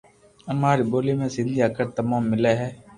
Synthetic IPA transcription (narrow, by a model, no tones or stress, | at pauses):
əmaːɾiːboːleːmẽːsɪ̃nd̪ijaːkəɾt̪əmaːmːɪlɛːɦɛː